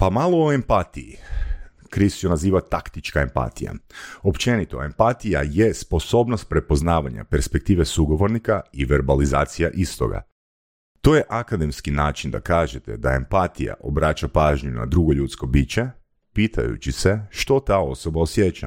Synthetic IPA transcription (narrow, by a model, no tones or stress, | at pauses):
pamalˠooempat̪ijḭ | kɾist͡ʃonaziːʋat̪akt̪it͡ʃkae̞mpa̰t̪ija̰o̞pt͡ʃe̞nit̪o̞̰e̞mpat̪ija̰je̞spo̞so̞ːbnost̪̚pɾe̞po̞znaːʋaɲa̰pe̞ɾspe̞k̚t̪iːʋesuɡo̞ʋo̞ɾnikaiʋeɾbalizaːt̪sija̰ʔist̪o̞̰ɡa̰ | t̪o̞jeʔakad̪e̞mskinaːt͡ʃind̪a̰kaːʒet̪e̞̰d̪ae̞mpat̪ija̰ʔo̞bɾaːt͡ʃapaːʒɲuna̰d̪ɾuɡo̞ʎuːt̪sko̞biːt͡ɕe̞ | piːt̪ʰa̰jṵt͡ʃise̞ʃt̪o̞t̪ao̞so̞bao̞sjet͡ʃa̰